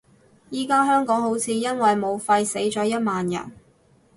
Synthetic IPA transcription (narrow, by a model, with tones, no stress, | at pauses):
jiː˨˩kaː˥ɦœː˥ŋkɔː˨˥ŋɦo˨˥wt͡sʰiː˨˧jɐ˥nwɐ˨jmo˨˧wfɐ˧jse˨˥jt͡ʃɔː˨˥jɐ˥t̚maː˨njɐ̰˨˩n